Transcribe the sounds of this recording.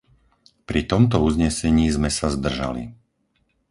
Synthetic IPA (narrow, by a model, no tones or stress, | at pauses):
pɾit̪ɔmt̪ɔuzɲɛsɛɲiːzmɛsazd̪r̩ʒa̰lḭ